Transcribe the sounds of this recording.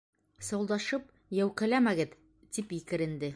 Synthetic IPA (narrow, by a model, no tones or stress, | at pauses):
sɤ̆wlˠd̪ɑʃɤp̚ | jæwqɘ̆læmæɡɘð | t̪ipikɘ̆ɾɘ̆nd̪ɘ